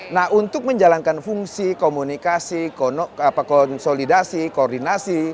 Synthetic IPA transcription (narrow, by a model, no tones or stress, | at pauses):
nahunt̪ʊk̚məɲd͡ʒalaŋkanfuŋsikomunikasiknapakɔnsolidasikoːrdinasi